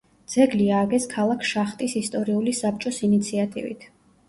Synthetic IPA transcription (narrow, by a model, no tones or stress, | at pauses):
d̪z̥ɛɡliaːɡɛskʰalˠakʰʃaχt̪ʼisist̪ʼɔɾiulisap̚ʰt͡ʃʼɔsinit̪sʰiat̪ʼḭvḭt̪ʰ